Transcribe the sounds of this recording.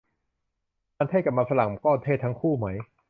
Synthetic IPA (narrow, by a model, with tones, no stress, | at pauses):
aː˧nt̪ʰa˥˩jka˨˩p̚maː˧sa˧la˨˩ŋ˧kɔː˥˩nt̪ʰe˥˩t̪ʰa˦˥ŋkʰuː˥˩ma˦˥j